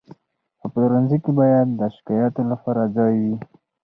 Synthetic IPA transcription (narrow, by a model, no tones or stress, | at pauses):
əpəlɾanzikebɑjad̪ːəʃɪ̥kɑjɑt̪olapɑɾad͡zɑjwi